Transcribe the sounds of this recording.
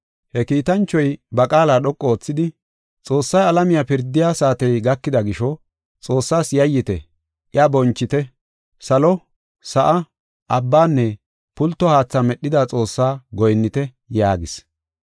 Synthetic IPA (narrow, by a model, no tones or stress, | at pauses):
hɛkiːt̪ɐnt͡ʃːɔjbɐkʼaːlaːɗɔkʼːɔoːt͡sːɪd̪ɪ | t͡sʼo̞ːsːɐjɐlɐmɪjapɪɾd̪ːɪjaːsaːt̪ɛjɡɐkːɪd̪ɐɡɪʃɔ | t͡sʼo̞ːsːaːsjɐjːɪt̪ɛ̰ | ʔɪabɔnt͡ʃːɪt̪ɛ | sɐlɔ | sɐʔɐ | ʔɐbːaːnːɛ | pʊlt̪ːɔhaːt͡sːɐmɛɗɪd̪at͡sʼo̞ːsːaːɡɔjnːɪt̪ɛ | jaːɡɪs